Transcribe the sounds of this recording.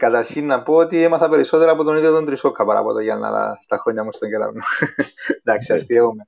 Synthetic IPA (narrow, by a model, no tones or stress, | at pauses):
kat̪aɾʃinːapot̪iemaθapeɾisot̪elapot̪oniðoðont̪ɾisokʰapaɾa̰pot̪eɣana̰la̰st̪axoɲamust̪aŋkela̰ɾnu | d̪aksast̪ieome